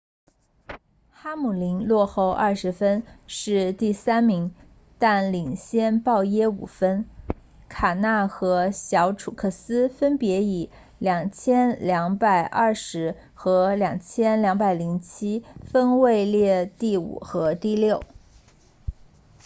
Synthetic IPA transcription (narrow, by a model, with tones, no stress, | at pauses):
xa˥mu˨˩li˧˥nlwɔ˥˧xo˥˧ʊʔɐ˥˩ʂɻ̩˧˥fə˥nʂɻ̩˥˧t̪i˥˩sa˥nmi˧˥ŋ | t̪a˥˩nli˨˩ŋɕjɛ˥˧npɑ˥˩ʊjɛ˥ṵ˨˩fə˥n | kʰa˨˩na˥˩xɤ˧˥ɕjɑ˧˥ʊʈ͡ʂʰu˨˩kʰɤ˥˩sɹ̩˥fə˥npjɛ˧˥i˨˩ | ljɑ˨˩ŋt͡ɕʰjɛ˥nljɑ˧˥ŋpa˨˩ɪʔɐ˞˥˩ʂɻ̩˧˥ | xɤ˧˥ljɑ˨˩ŋt͡ɕʰjɛ˥nljɑ˧˥ŋpa˨˩ɪli˧˥ŋt͡ɕʰi˥fə˥nwe˥˧ɪljɛ˥˧t̪i˥˩ṵ˨˩xɤ˧˥t̪i˥˧ljo˥˩ʊ